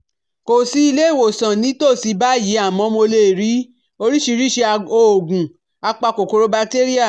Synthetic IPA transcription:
ko˨si˨˦i˧le˦˨wo˨sã˨nĩ˨˦to˦˨si˧ba˦ji˨˦a˦˨mɔ̃˨˧˦mo˧le˦˨ɾi˨˦ | o˧ɾi˦ʃi˧ɾi˦ʃe˧o˧˨ɡũ˨ | a˧k͡pa˧ko˨ko˧ɾo˧˦ba˧kte˦ɾi˦a˦˨

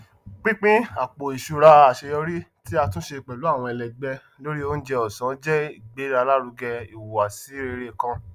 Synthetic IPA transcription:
k͡pĩ˦k͡pĩ˦a˨k͡po˨i˨ʃu˧ɾa˧a˨ʃe˧jɔ˧ɾi˦ti˦a˧tũ˦ʃe˧˨k͡pɛ˨lu˨˦a˦˨w̃ɔ̃˧ɛ˨lɛ˨ɡ͡bɛ˧ | lo˦ɾi˦o˦n̩˦d͡ʒɛ˧ɔ˨sã˨˦d͡ʒɛ˦i˨ɡ͡be˨˦ɾa˧la˦ɾu˧ɡɛ˧i˨wo˨a˨si˨˦ɾe˧ɾe˧kã˧

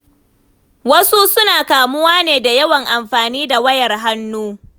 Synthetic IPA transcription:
wɐ˦su˦sʊ˦naː˨kaː˨mʊ˦waː˦neː˨da˨jɐ˦wɐ˨ŋʔa˨mɸaː˨niː˦da˨wɐ˦jɐ˨rɦa˦nːuː˦

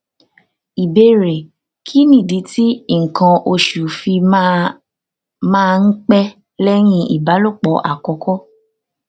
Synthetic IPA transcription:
i˨be˧ɾe˨ | kʰi˨˦nĩ˦˨di˨˦ti˦˨ŋ̩˨kã˧ʔo˧ʃu˨fi˧ | mãː˦˧˦k͡pɛ˦ | lɛ˦j̃ĩ˧ḭ˨ba˨˦lo˦˨k͡pɔ˨˦ʔa̰˦˨kɔ˧kɔ˦

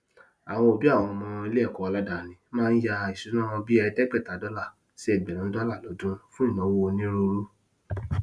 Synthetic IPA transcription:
a˨w̃ɔ̃˧o˨bi˦a˦˨w̃ɔ̃˧mɔ̃˧i˧le˦ɛ˦˨kɔ˧˦a˧la˦da˨nĩ˨˦mãː˦n̩˦ja˧i˨su˨˦nã˦w̃ɔ̃˧bi˦ɛ˧dɛ˦k͡pɛ˦˨ta˨˦dɔ˦la˦˨ | si˦ɛ˦˨ɡ͡bɛ˨ɾũ˨˦dɔ˦la˦˨lɔ˨˦dũ˦fũ˦i˦˨nɔ̃˨˦wo˦o˧nĩ˦ɾo˧ɾu˦

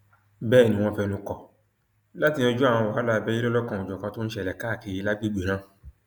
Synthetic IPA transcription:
bɛː˦˨nĩ˧˦w̃ɔ̃˧fɛ˧nũ˧kɔ˨ | la˦ti˧nĩ˧o˧d͡ʒu˦a˦˨w̃ɔ̃˧wa˨˦la˦˨bɛ˦i˦ɾɔ˦lɔ˦kã˧˨u˨d͡ʒɔ˨kã˧to˦n̩˦ʃɛ˦˨lɛ˨ka˦˨ki˧˨i˧˦la˦ɡ͡bi˦ɡ͡be˨ɾ̃ã˦

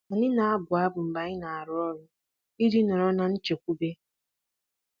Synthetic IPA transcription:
a˨nɪ˦na˨a˦bʊ˨a˦bʊ˨m̩˨ba˨ɲɪ˦na˨a˨ɾʊ˦ɔ˦ɾʊ˦ | i˦dɪ˦nɔ˨ɾɔ˦na˨n̩˦t͡ʃe˨kʷu˦be˦

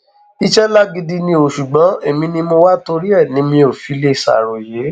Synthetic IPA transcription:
i˦ʃɛ˦la˦ɡi˧di˧nĩ˧o˨ʃu˨ɡ͡bɔ̃˨˦e˨mĩ˧nĩ˧mo˧wa˦to˧ɾi˦ɛ˦˨nĩ˨˦mĩ˧o˨fi˨˦le˦˨sa̰˦˨ɾo˨je˨˦

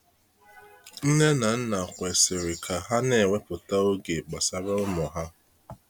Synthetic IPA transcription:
n̩˦ne˦na˨n̩˦na˨kʷe˨sɪ˨ɾɪ˨kʰa˨ɦa˦ne˦˨ŋʷe˦pʊ˨ta˦o˦ɡe˨k͡pa˨sa˦ɾe˦ʊ˦mɔ˨ɦa˦

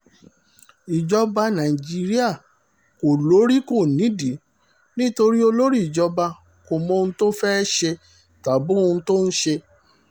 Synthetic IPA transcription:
i˨d͡ʒɔ˧ba˧nã˨i˨d͡ʒi˦˧˦ɾi˦a˦˨ | ko˨lo˨˦ɾi˦ko˦˨nĩ˨˦di˨˦ | nĩ˦to˧ɾi˦o˧lo˦ɾi˦˨d͡ʒɔ˨˧ba˧ | ko˨mɔ̃˧˦˧ũ˧to˦fɛ˦ʃe˧ | ta˨bõ˦˧to˦n̩˦ʃe˧

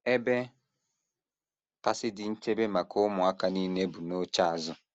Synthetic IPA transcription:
ɛ˦bɛ˦ | ka˦sɪ˦dɪ˦n̩˦te˦be˦ma˨kʰo˦mʊ˨a˦ka˨ni˦ne˦bu˨no˦t͡ʃa˦a˨zʊ˦

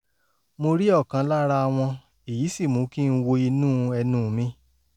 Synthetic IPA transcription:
mo˧ɾi˦ɔ˦˨kã˧˦la˦ɾa˦˧a˧w̃ɔ̃˧ | e˨ji˨˦si˦˨mũ˨˦ki˦˧n̩˦wo˧i˧nũː˦ɛ˧nũː˦˨mĩ˦

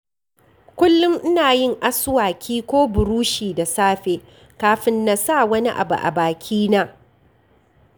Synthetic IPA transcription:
kʷʊ˦lːʊ˦ŋʔɪ˦naː˨jɪ˦˨ŋʔa˦sʊ˦waː˨kʲʰiː˦kʷoː˦bʊ˨ɾuː˦ʃiː˨da˨saː˦ɸeː˨ | kaː˨ɸɪ˦nːa˨sa˦˨wɐ˦ni˦ʔa̰˨bṵ˨ʔa̰˨baː˨kʲʰiː˦naː˦

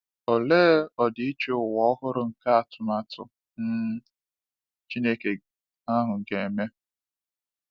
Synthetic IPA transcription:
o˨le˦ɔ˨dɪ˨˦i˦t͡ʃo˦ʊ˨wɔ˦ɔ˦ɦʊ˦ɾʊ˨ŋ̩˨ka˦a˨tʊ˨ma˦tʊ̰˨ | n̩˦ | t͡ʃi˦ne˦ke˨ | a˦ɦʊ˨ɡe˨e˨me˦

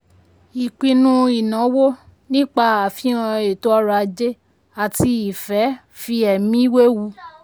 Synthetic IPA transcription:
i˨k͡pĩ˧nũ˦i˨nã˨˦wo˦ | nĩ˦k͡pa˧a˨fĩ˨˦ã˧e˨to˦ɔ˦ɾa˧d͡ʒe˦ | a˨ti˧i˨fɛ˨˦ | fi˧ɛ˨mĩ˦we˦wu˧˦

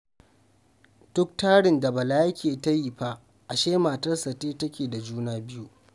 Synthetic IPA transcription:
d̥ʊ˦k̚taː˦ɽɪ˨nda˨bɐ˨laː˦jɐ˦kʲʰeː˨tɐ˦ji˨ba˦ʔ | ʔa˨ʃeː˦maː˨tɐ˦rsɐ˨teː˦tɐ˦kʲeː˨da˨d͡ʒuː˦naː˦bɪ˦ju˦ʔ

